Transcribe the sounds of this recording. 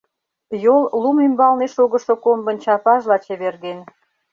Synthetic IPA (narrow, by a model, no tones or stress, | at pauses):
jollumymbɑlneʃoɣə̆ʃŏkombə̆nt͡ɕɑpɑʒlɑt͡ɕeβerɣen